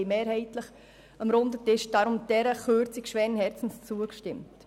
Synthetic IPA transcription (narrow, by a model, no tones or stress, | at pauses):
ɪmeːɾhɛɪtləχ | əmɾʊndətɪʃd̥ɑɾʊmd̥ɛɾəχøːɾt͡sikʃʋɛːɾənɦɛɾt͡sn̩st͡suəkʃtɪmt